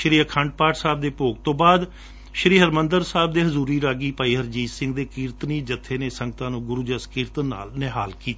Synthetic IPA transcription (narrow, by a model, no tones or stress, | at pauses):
ʃəɾiːəkʰəɳɖ̚paːʈsaːb̚d̪eːpoːɡt̪õːbaːd̪ | ʃəɾiːɦəɾmənd̪əɾsaːb̚d̪eːɦəzuːɾiːɾaːɡiːpaːiːɦəɾd͡ʒiːsɪ̃ŋɡ̚d̪eːkiːɾt̪niːd͡ʒət̪ʰːeːneːsəŋɡət̪ãːnũːɡʊɾuːd͡ʒəskiːɾt̪ənːa̰ːlneɦaːlkiːt̪a